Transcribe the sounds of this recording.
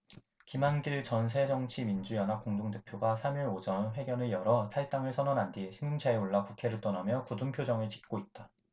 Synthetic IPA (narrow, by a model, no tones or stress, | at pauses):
kimanɡiɭt͡ɕʌns̬ʰe̞d͡ʑʌŋt͡ɕʰimind͡ʑujʌnɦap̚k͈oŋdoŋde̞pʰjoɡasʰamiɭod͡ʑʌnɸwe̞ɡjʌnɯɭjʌɾʌtʰaɭt͈aŋɯɭsʰʌnʌnɦandiɕʰimːuŋt͡ɕʰaeoɭːakukʰe̞ɾɯɭt͈ʌnamjʌkudumpʰjod͡ʑʌŋɯɭt͡ɕi̥k̚k͈oit̚t͈a